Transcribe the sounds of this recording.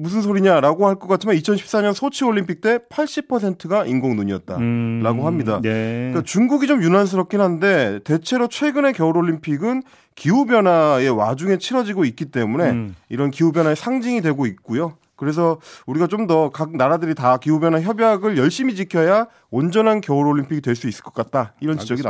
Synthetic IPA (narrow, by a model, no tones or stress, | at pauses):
mus̬ʰɯnsʰoɾiɲaɾaɡohaɭk͈ʌk͈at͡ɕʰimanit͡ɕʰʌnɕʰi̥ps͈aɲʌnsʰot͡ɕʰɯoʎːimpʰik̚t͈e̞pʰaɭɕ͈ipʰʌs̬ʰe̞ntʰɯɡaʔinɡoŋnuɲiʌ̰t̚t͈a̰ɾaɡoɦamɲidak͈at͡ɕuŋɡuɡit͡ɕomjunans̬ʰɯɾʌp̚k͈inɦannde̞te̞t͡ɕʰe̞ɾot͡ɕʰwe̞ɡɯne̞kjʌuɾoɭːimpʰiɡɯn | kiubjʌnae̞wa̰d͡ʑuŋe̞t͡ɕʰiɾʌd͡ʑiɡoit̚k͈it͈e̞mune̞iɾʌnkiubjʌnɦaesʰaŋd͡ʑiŋidwe̞ɡoik̚k͈ujo | kɯɾe̞s̬ʰʌuɾiɡat͡ɕomdʌkak̚naɾadɯɾitakiubjʌnaçjʌbjaɡɯɭjʌɭɕ͈imit͡ɕikʰjʌja | ond͡ʑʌnankjʌɯɾoɭːimpʰiɡidwe̞ɭs͈uis͈ɯ̥ɭk͈ʌk͈at̚t͈aiɾʌnid͡ʑʌɡi